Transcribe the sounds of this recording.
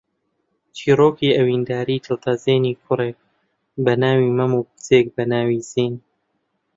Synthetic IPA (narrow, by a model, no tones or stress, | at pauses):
t͡ʃʰiːroːkiːɐwiːnd̪aːɾiːt̪ʰɨt̪ʰazeːniːkʰʊreːk̚ | bɐnaːwiːmɐmuːp̚ɨ̥t͡sʰeːk̚bɐnaːwiːziːn